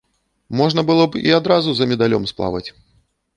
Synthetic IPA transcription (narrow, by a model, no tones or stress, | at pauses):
mɔʐnɐbɨlˠɔbḭad̪ɾazuzɐmʲɛd̪alʲɔmsplˠa̰vɐt͡sʲ